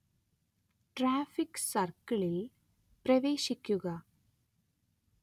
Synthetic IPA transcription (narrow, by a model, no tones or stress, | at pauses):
ʈraːfiksɐrkɐɭil | prɐʋeːɕikʲːuɣɐ